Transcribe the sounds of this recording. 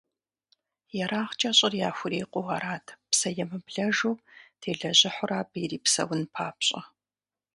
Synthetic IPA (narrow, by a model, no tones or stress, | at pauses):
jɛɾaːχt͡ʃʼɐɕʼɪrjaːxʷʊɾeːqʷʼʊwɐɾaːtʰpsɐjɛmɨbɮɐʒoːptʰeːɮɐʑɪħʷʊraːbiːriːpsɐ̰wʊnpʰaːpɕʼɐ